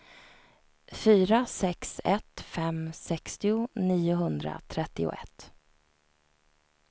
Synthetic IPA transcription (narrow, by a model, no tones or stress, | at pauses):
fyːɾasɛksɛt̪fɛmsɛkst̪ɪʊniːʊɦɵnd̪ɾa̰t̪ʰɾɛt̪ːɪʊ̰ʔɛ̰t̪ː